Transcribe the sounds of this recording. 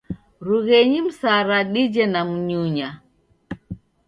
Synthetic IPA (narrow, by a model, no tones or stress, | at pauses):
ɾuɣɛɲim̩saɾaɗid͡ʒɛnam̩ɲuɲa